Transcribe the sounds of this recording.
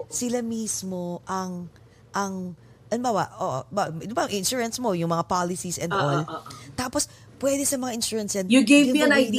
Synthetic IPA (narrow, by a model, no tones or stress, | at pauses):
sɪlamismo̞ʔɐŋ | ʔɐŋ | ʔɐnbaːwɐʔʔoʔo̰baɪnʊbɐŋʔɪnʃuːɹɐnsmo̞jʊŋmɐŋapaːlɪsisʔɛnd̪ʔolt̪aːpos | pwɛd̪ɛsɐmɐŋaʔɪnʃuːɹɐnsjanjuɡevmiɐnajd̪i